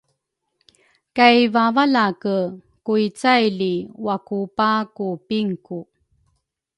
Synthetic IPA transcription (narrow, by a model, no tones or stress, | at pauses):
kajvavalakə | kuit͡sajliwakupakupiŋku